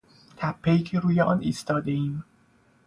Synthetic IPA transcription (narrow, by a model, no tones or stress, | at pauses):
t̪ʰæpʰːejiːcʰeɾuːjeʔɒːniːst̪ɒːd̪e̞iːm